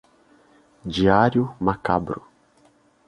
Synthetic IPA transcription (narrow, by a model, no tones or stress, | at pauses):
d͡ʒiaɾjʊmakabɾʊ